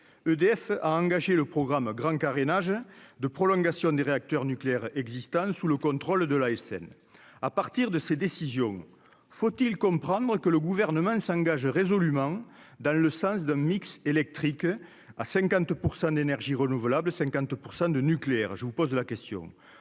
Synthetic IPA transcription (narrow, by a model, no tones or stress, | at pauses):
ød̪eɛfa̰ɑ̃ŋɡaʒeləpχɔɡʁamɡʁɑ̃kaʁenaʒəd̪əpχɔlɔ̃ŋɡasjɔ̃d̪eʁeak̚t̪œʁnykleɛʁɛɡzist̪ɑ̃suləkɔ̃nt̪χɔld̪əlaɛsɛ̰n | apaʁt̪iʁd̪əsed̪esizjɔ̃ŋ | fot̪ilkɔ̃mpχɑ̃nd̪ʁəkələɡuvɛʁnəmɑ̃sɑ̃ŋɡaʒʁezɔlymɑ̃d̪ɑ̃ləsɑ̃s̬d̪ɛ̃mikselɛk̚t̪χik | asɛ̃ŋkɑ̃nt̪puʁsɑ̃d̪enɛʁʒiʁənuvəlabləsɛ̃ŋkɑ̃nt̪puʁsɑ̃d̪ənykleɛʁʒəvupɔzlakɛst̪jɔ̰̃